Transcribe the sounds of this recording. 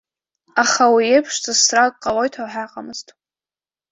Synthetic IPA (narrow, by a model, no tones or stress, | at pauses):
aχawiejpʰʂzɨzsrakʼqʼːalo̞jtʰawħaqʼamɨz̥tʼ